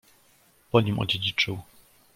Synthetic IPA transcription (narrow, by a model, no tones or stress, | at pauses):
pɔɲimʔɔ̰d͡ʑed͡ʑit͡ʂɘw